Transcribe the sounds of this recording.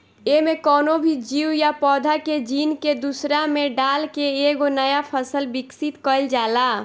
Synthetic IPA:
emekɔnobʱid͡ʒiwjapɔd̪ʱaked͡ʒinked̪usɾameɖalkeːɡonəjapʰəsəlbiksit̪kəɪld͡ʒala

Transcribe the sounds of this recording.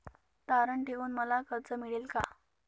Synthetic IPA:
t̪aɾəɳʈeuːnməlakəɾt͡səmiɭiːlka

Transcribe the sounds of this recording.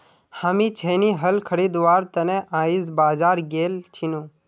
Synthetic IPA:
haːmĩːt͡ʃʰeːniːɦəlkʰəɽiːd̪ʋaːɾt̪ənẽʔaːiːzbaːzaːɾɡeːlt͡ʃʰinũː

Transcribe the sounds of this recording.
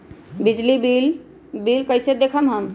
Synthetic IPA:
bid͡ʒlibil | bilkəɪsed̪ekʰəmɦəm

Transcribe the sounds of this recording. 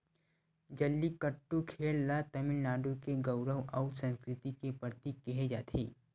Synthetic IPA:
d͡ʒəlːiːkəʈːukʰeɭlat̪əmilnaɖukeɡəwɾəʋʔawsə̃nskɾɪt̪ikepət̪iːkːeɦed͡ʒat̪ʰḛː

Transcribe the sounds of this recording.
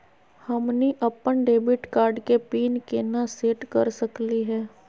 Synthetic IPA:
hɐmniʔɐpːənɖeːbɪʈkaːɾɖkepiːnkenaseːʈkɐɾsəkliɦɛː

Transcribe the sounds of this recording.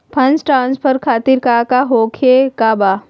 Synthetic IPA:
pʰɐ̃nsʈɾãːnspʰəɾkʰaːt̪iɾkaːkaɦoːkʰekaːbaː

